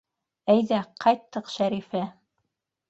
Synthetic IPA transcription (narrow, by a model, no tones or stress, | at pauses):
æjðæqɑjt̪ːɤqʃæɾifæ